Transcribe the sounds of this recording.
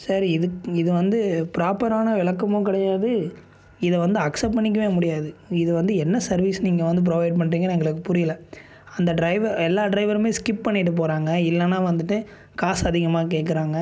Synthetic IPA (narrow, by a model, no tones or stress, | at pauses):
sɐɾɪðɯkɪðɯʋɐnd̪ɯpɪɾaːpɐɾaːnɐʋɪɭɐkːɐmõkɪɽɐjaːðɯ | ɪðɐʋɐnd̪ɯɐksɐp̚pɐɳːɪk̬ːɐʋeːmʊɽɪjaːðɯɪðɯʋɐnd̪ɯɛnːɐsɐɾʋiːsniːŋɡɐʋɐnd̪ɯp̬ɾɔʋɐɪɖ̚pɐɳːɾiːŋɡɐnɛŋɡɐɭɯkːɯpʊɾɪjɐlɐ | ɐnd̪ɐɖɾɐɪʋɐɾɛlːaːɖɾɐɪʋɐɾmeːskɪppːɐɳːɪʈːɯp̬oːɾaːŋɡɐɪlːɐnãːʋɐnd̪ɯʈːɯ | kaːsɐðɪɣɐmaːk̬eːʈkːɪɾaːŋɡɐ